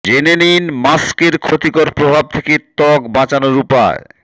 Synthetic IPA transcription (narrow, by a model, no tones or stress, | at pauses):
d͡ʑeneninmaskeɾkʰot̪ikoɾpɾobʱab̚t̪ʰeket̪ɔkbãt͡ɕanoɾupa̰e